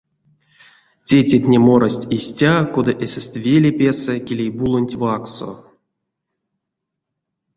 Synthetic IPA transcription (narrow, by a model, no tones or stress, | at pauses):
tʲetʲet̪ʲnʲemoɾasʲtʲisʲtʲako̞d̪aʔesʲest̪ʲvʲelʲepʲesɛkʲelʲejbulˠonʲtʲvakso̰